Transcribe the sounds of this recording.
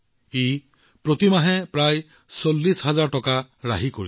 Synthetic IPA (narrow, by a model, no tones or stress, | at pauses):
e | pɾot̪imaɦɛ̃pɾaj | solːisɦazaɹʈɔkaɹa̰ɦikoɹḭ